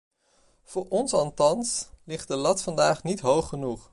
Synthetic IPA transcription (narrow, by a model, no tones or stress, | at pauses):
v̥ʊːɹɔnsɑlˠtɑnslɪχt̚dəlɑtfɑndaːχnitɦowχːənuχ